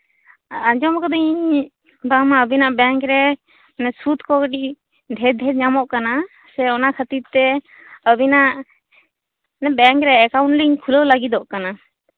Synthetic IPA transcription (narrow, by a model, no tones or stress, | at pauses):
ad͡ʒɔmkɔd̪ɔɲiɲ | bamaəbinaʔbɛŋkɾɛ | nɛsut̪kɔkəɖiʔ | d̪ʱɛd̪ʱɛɾɲamɔʔkana | sɛɔnakʰət̪iɾt̪ɛ | əbinaʔ | nɛbɛŋkɾɛːkawɳʈliɲkʰuləwləɡid̪ɔʔkana